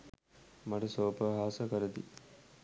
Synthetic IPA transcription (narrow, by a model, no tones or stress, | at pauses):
mɐʈɐsoːpəɦaːsəkəɾəd̪ḭ